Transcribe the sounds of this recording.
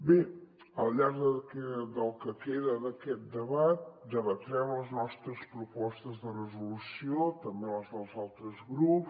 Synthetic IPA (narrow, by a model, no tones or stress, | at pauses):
be | əlˠʎaɾðəkɛd̪əlˠkəkeðəðəkɛt̪̚d̪əβat̪̚d̪əβət̪ɾɛmləznɔst̪ɾəspɾupɔst̪əzðərəzulusiot̪əmbeləzðəlˠzalˠt̪ɾəzɣɾup